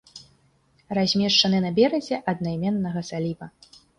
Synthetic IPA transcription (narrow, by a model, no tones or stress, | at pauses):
razʲmʲɛʂt͡ʂɐnɨnɐbʲɛɾɐzʲɛʔɐd̪̚nɐjmʲɛnːɐɣɐsalʲivɐ